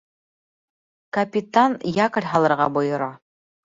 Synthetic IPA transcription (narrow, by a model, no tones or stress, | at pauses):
kɐpʲit̪anjɑkɤ̆ɾʲɦɑlˠɤ̆ɾʁɑbŏjŏɾɑ